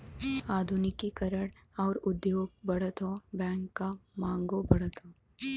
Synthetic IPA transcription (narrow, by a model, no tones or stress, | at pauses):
aːd̪ʱʊnɪkikəɾəɽɔːɾʊd̪joːɡ̚bɐɽət̪oːbɛ̃ːŋkːamãːŋɡobɐɽ̤ət̪oː